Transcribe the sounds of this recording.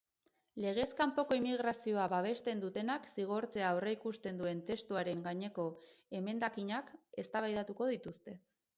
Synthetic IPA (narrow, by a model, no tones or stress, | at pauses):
le̞ɣ̞e̞skampo̞ko̞imiɣ̞ɾasio̞aβaβ̞e̞st̪e̞nd̪ut̪e̞naksiɣ̞o̞ɾt͡se̞aoreikust̪e̞nd̪ue̞nt̪e̞st̪uaɾe̞ŋɡaɲe̞ko̞e̞me̞nd̪akiɲake̞st̪aβajðat̪uko̞ðit̪ust̪e̞